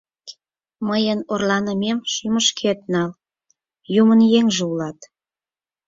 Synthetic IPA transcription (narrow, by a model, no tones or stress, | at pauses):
məjənorlɑnəmemʃyməʃkʰet̪̚nɑl | jumənjeŋʒeulɑt̪